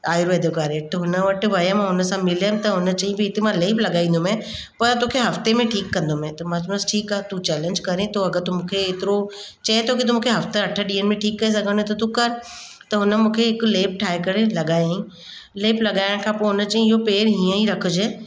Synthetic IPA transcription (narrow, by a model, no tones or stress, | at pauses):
aːjɾoeːd̪ʱjokaːɾeʈɦʊnəʋɐʈ̆ʋɐjə̃mãɦʊnə̆sãmɪlɦɪmt̪ɐɦʊnə̆t͡ɕɐ̃ɦĩbɪɪt̪emãleːplɐɠaːĩːn̆d̪omẽ | pɐɾt̪oːkʰeɦɐft̪emẽʈʰiːkːɐ̃nd̪omẽt̪ɐmãsʊnəsʈʰiːkaːt̪ut͡ɕɛːlə̃ɲd͡ʑkɐɾẽt̪oɐɡəɾt̪ʊmũːkʰeːt̪ɪɾo | t͡ɕɐet̪ʰokit̪̬ʊmũːkʰeɦɐft̪eɐʈʰəɗiːəɽ̃̆mẽʈʰiːkːɐes̬ɐɡʱə̃nd̪ẽt̪ɐt̪ukɐɾ | t̪ɐɦʊnə̆mũːkʰeɪkleːp̚ʈʰaːɦekɐɾelɐɠaːjaĩ | leːplɐɠaːɪɽ̃kʰãːpoːɦʊnət͡ɕɐɦĩɪɦopeːɾɦiːə̃iɾɐkʰʊd͡ʑeː